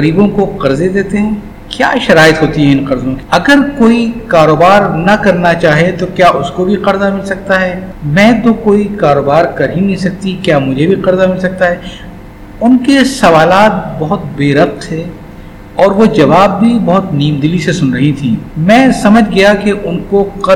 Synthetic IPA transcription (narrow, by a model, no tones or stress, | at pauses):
qɐɾiːbõkoqɐɾzed̪eːt̪eɦɛ̃ː | kja̰ːʃɐɾaːɪt̪ɦoːt̪iɦɛɪ̃nqɐɾzõki̥ɐɡəɾkoːikaːɾoːbaːɾnɐkɐɾnat͡ʃaːɦiet̪okjaːʔʊskobʱiqɐɾzamɪlsɐk̚t̪aɦɛːmɛ̃ːt̪okoːikaːɾoːbaːɾkɐɾɦinɐĩsɐk̚t̪ikjaːmʊd͡ʒʱebʱiqɐɾzamɪlsɐk̚t̪aɦɛː | ʊnkesɐʋaːlaːt̪̚bɐɦʊt̪beːɾɐf̚t̪ʰːeː | ɔːɾʋod͡ʒɐʋaːbːʱibɔɦʊt̪niːmd̪ɪlisesʊnɾɐɦĩt̪ʰḭ̃ːmɛ̃ːsɐməd͡ʒʱɡɐjakeʔʊnkoqɐ